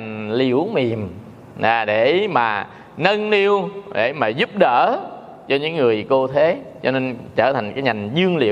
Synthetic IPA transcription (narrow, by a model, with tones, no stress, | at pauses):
ŋlḭ˧˩˥əwmi˨˩əm | ʔaː˨˩ɗe˧˩maː˨˩ | nə˧nni˧əwɗe˧˩maː˨˩zu˦˥p̚ɗəː˧˨ | t͡ɕɔ˧ɲɨ̰˧˥ŋŋɨ˨˩əjko˧t̪ʰe˨˦t͡ɕɔ̰˧ne˧nt͡ɕəː˧˩t̪ʰa˨˩jŋ̟kaː˨˦jɲa˨˩ŋ̟zɨ˧əŋlḭ˧˨w